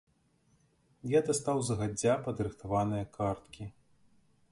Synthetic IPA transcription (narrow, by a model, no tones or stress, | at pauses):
jad̪ɐst̪awzɐɣad͡zʲːapɐd̪ɨɾɨxt̪avanɨjɐkʰart̪kʲi